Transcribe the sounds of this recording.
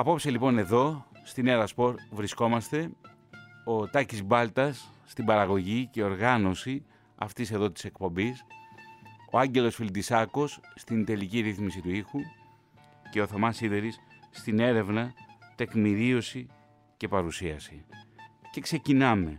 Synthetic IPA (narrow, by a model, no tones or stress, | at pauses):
ɐpo̞pselipo̞ne̞ðo̞st̪ineɾɐspo̞ɾvɾisko̞mɐst̪e̞ | o̞t̪ɐcizbɐlt̪ɐsːt̪ibɐɾɐɣo̞ʝice̞o̞ɾɣɐno̞si | ɐ̰ft̪ise̞ðo̞t̪ise̞kpo̞mbis | o̞ɐɲɟe̞lo̞sfild̪isɐko̞sːt̪ind̪e̞liciɾiθmisit̪uixu | ce̞oθo̞mɐsiðe̞ɾissːt̪ine̞ɾe̞vnɐt̪e̞kmiɾio̞si | ce̞pɐɾusiɐsi | ce̞kse̞cinɐme̞